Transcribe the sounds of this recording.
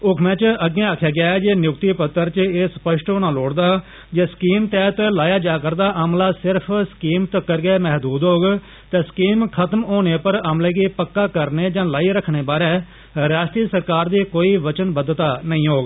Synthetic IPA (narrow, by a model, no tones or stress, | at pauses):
ʊkʰmɛ̃ːt͡ʃəɡẽːaːkʰjaːɡɪaːɛːd͡ʒeːnjʊk̚t̪iːpət̪ːəɾt͡ʃeːspəʃʈoːnãːloːɽd̪aː | d͡ʒeːskiːmt̪ɛːɦət̪laːjaːd͡ʒaːkəɾd̪aːʔəmlaːsɪɾpʰsə̥kiːmt̪əkːəɾɡɛːmɛɦd̪uːd̪ɦoːɡ | t̪ɛːskiːmkʰət̪əmoːneːpəɾəmlẽːɡiːpəkːaːkəɾneːd͡ʒãːlaːiːɾəkʰːɽeːbaːɾɛ̃ː | ɾaːʃʈɾiːəsəɾkaːɾd̪iːkoːiːʋət͡ʃənbəd̪t̪aːnəĩːɦoːɡ